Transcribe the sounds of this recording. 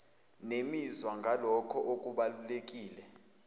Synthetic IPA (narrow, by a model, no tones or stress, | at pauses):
nemizwaŋɡʱalɔkʰɔʔok̬ʼuɓalulek̬ʼiːlɛ